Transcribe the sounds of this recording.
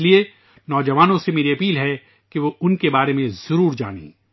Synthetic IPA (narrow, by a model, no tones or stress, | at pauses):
lie | nɔːd͡ʒɐʋaːnõsemeːɾiɐpiːlɦɛ | kiʋoʊnkebaːɾemẽzɐɾuːɾd͡ʒa̰ːɽḭː